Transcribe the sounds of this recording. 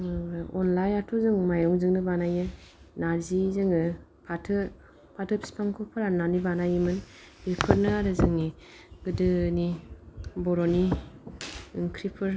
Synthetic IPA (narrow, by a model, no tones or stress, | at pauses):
ɔnlajatʰuzɯŋmajɾɔŋzɯŋnɯbanajɯnaɾzizɯŋɯ | pʰatʰɯ | pʰatʰɯpʰi̥spʰaŋkʰɔpʰɯɾananibanajɯmɯn | bipʰɯɾnɯaɾɯzɯŋni | ɡ̥ɯdɯni | bɔɾɔni | ɯŋkʰɾipʰɯɾ